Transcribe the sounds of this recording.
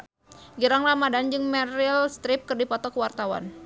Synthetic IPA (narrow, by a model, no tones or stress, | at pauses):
ɡiɾaŋlamadand͡ʒɨŋmɛrilst̪ɾɪp̚kɨrdipɔt̪ɔkəwart̪awa̰n